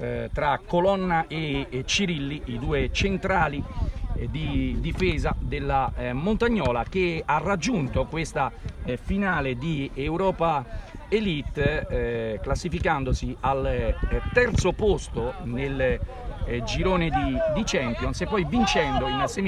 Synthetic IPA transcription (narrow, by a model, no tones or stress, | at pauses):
t̪ɾakːolɔnːaʔet͡ʃiɾilːiid̪uːet͡ʃent̪ɾaːlid̪id̪ifɛːzad̪elːamont̪aɲːɔːlak̟earad͡ʒːunt̪okwest̪afinaːled̪iɛwɾɔːpa | elit̪ː | klasːifikand̪osialt̪ɛrt̪sopost̪onel | d͡ʒiɾoːned̪id̪it͡ʃɛmpjonsepːɔjvint͡ʃɛnd̪oinse